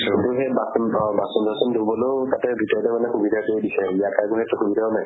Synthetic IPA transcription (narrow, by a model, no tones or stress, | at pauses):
utuɦɛbasbasɔmdʱasɔndobɔlotatɛbʱitɔɹɔtɛmanɛxubidʱakoɹidisɛijakajkuɦɛtuxubidʱaɔnaj